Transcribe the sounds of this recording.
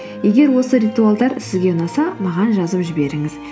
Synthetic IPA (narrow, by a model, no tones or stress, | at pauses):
je̞ɡʲe̞ɾwo̞səɾijt̪ualˠd̪ɑɾsɪzɡʲe̞ʊnɑsɑmɑʁɑnʒɑzəpʒɪbe̞ɾɪŋɪz